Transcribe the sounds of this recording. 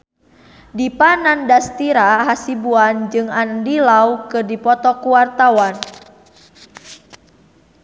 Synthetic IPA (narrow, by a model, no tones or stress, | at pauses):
dipanandast̪iɾaɦasibuand͡ʒɨŋandilawkɨrdipɔt̪ɔkuwart̪awan